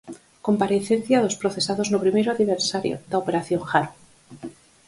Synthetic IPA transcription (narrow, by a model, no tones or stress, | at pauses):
ko̞mpaɾeθe̞nθjaðo̞spɾo̞θe̞saðo̞znopɾimeɾoaðiβ̞eɾsaɾjo̰ðaope̞ɾaθjo̞ŋxaɾu